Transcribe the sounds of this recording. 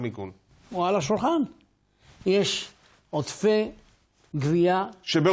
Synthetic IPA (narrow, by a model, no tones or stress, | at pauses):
miɡul | ualaʃulχan | jeʃ | ot̪fe | ɡviaʃebe